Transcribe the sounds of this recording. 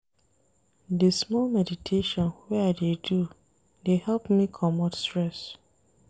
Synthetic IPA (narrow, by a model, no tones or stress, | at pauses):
desmɔlmɛditʰeʃɔ̃nwɛaɪdedu | dehɛlpmikʰɔmɔtstɹɛs